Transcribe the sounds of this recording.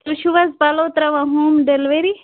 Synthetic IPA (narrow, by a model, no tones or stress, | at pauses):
ɾʃuʋɐzbɐloːt̪ɾaʋaɦuːmɖelʋeɾi